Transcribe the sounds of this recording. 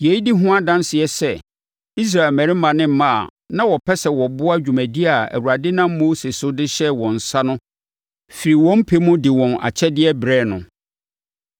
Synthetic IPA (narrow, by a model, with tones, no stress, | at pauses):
je˨i˦di˦ɦʊ̃˦a˦dã˦nsɪ˨ɛ˨sɛ˦˨ | i˦s̬ɾa˨e˨lmæ̃˨ɾi˦mã˨nɪ̃˦m̩˦mã˦a̰˨ | nã˦wɔ˨pʰɛ˦sɛ˨wɔ˨bʊ˦a˦d͡ʑᶣu˨mæ̃˨di˦a˨æ̰˨wu˨ɾa˨dɪ˦nã˦mː˦o˦sɪ˨sʊ˦dɪ˦ɕɛ˦wɔ̃˨n̩˨sa˦nʊ̃˦ | fi˨ɾi˨wɔ̃˦m̩˦pʰe˦mʊ̃˦dɪ˨wɔ̃˨na̰˨t͡ɕʰɛ˦dɪ˦ɛ˦bɾɛː˦˨nʊ̰̃˨